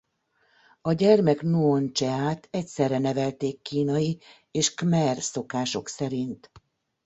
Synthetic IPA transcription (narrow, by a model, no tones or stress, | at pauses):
ɒɟɛrmɛknuont͡ʃɛaːt̪ɛcsɛrːɛnɛvɛlt̪eːkːiːnɒji | eːʃkmɛrso̞kaːʃo̞̰ksɛɾint̪